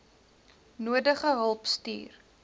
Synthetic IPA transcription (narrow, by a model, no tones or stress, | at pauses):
nuədəχəɦəlˠpstḭːr